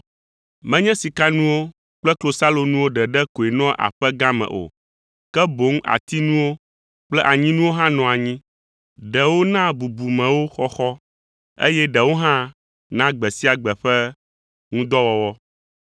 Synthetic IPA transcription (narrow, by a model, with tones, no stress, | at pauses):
mɛ̃˦ɲɛ̃˦si˨ka˦nũ˦wo˦ | k͡plɛ˦klo˨sa˦lo˨nũ˦wo˦ɖɛ˨ɖɛ˦ko˨e˨nɔ̃˦ʔa̰˨ɸɛ˦ɡã˦mɛ̰̃˨ʔo̰˨ | kɛ˦bo˨˦ŋ˦a̰˨t̪i˦nũ˦wo˦ | k͡plɛ˦ʔa˨ɲĩ˦nũ˦wo˦ɦã˦nɔ̃˨a˨ɲĩ˦ | ɖɛ˨wo˦nã˦bu˨bu˨mɛ̃˨wo˦xɔ˦xɔ˦ | ḛ˦jɛ˦ɖɛ˨wo˦ɦã˦ | nã˦ɡ͡bɛ˨si˦a˨ɡ͡bɛ˨ɸɛ˦ | ŋũ˦d̪ɔ˦wɔ˦wɔ˦